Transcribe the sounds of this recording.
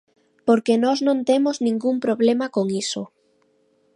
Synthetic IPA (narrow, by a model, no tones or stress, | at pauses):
poɾkenɔznõnt̪emoznĩŋɡumpɾoβlemakoŋiso